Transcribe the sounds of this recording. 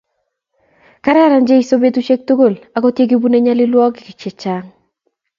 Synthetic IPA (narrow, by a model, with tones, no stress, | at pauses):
ka˦ɾa˦ɾa˨nd͡ʒe˦i˨so˦be˦tu˦t͡ʃe˦k̚to˦ɡo˦˨la˨kɔ˦tje˦ɡi˦bu˦ne˦ɲa˦lɪ˦lwɔ˦ɡɪ˨kɪ˨t͡ʃɪ˨t͡ʃa˦ŋ